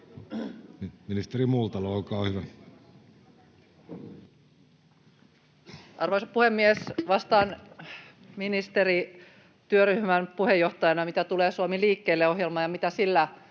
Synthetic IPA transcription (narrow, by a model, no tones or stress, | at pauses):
niminist̪erimuːlt̪ɑloːkɑːhyʋæ | ʔɑrʋoisopuhemːiesʋɑst̪ɑːn | minist̪eri | t̪yøryhmænpuhejːoht̪ɑjɑnɑmit̪æt̪uleːsuomiliːkːeilːeohɦjelmɑːjɑmit̪æsilːæ